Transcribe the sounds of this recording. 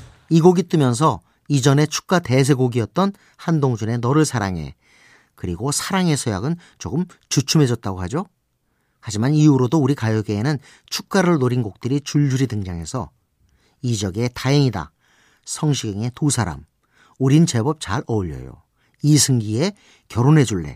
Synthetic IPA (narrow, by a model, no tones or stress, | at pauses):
iɡoɡit͈ɯmjʌns̬ʰʌ | id͡ʑʌne̞t͡ɕʰu̥k̚k͈ate̞s̬ʰe̞ɡoɡiʌt̚t͈ʌn | handoŋd͡ʑune̞nʌɾɯɭsʰaɾa̰ŋɦe̞̰ | kɯɾiɡosʰaɾaŋe̞sʰoja̰ɡɯn | t͡ɕoɡɯm | t͡ɕut͡ɕʰume̞d͡ʑʌt̚t͈aɡoɦhad͡ʑo | had͡ʑimaniuɾodouɾikajoɡeːnɯn | t͡ɕʰuk̚k͈aɾɯɭnoɾinɡok̚t͈ɯɾit͡ɕuɭd͡ʑuɾidɯŋd͡ʑaŋɦe̞sʰʌ̰ | id͡ʑʌɡe̞taeŋida̰ | sʰʌŋɕʰiɡeŋe̞tusʰaɾa̰m | uɾint͡ɕe̞bʌp̚t͡ɕaɾʌuʎːʌ̰jo̰ | isʰɯŋɡie | kjʌɾonɦe̞d͡ʑuɭːe̞̰